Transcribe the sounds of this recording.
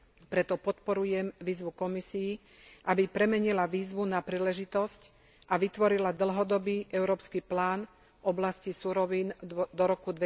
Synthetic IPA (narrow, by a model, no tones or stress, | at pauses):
pɾɛt̪ɔpɔt̪pɔɾujɛmʋiːzʋukɔmisiː | ʔabipɾɛmɛɲilaʋiːzʋunapɾiːlɛʒit̪ɔsc | ʔaʋit̪ʋɔɾilad̪l̩ɦɔd̪ɔbiːʔɛʊɾɔːpskiplaːn | ɔblascisuɾɔʋiːnd̪ɔɾɔkud̪ʋɛ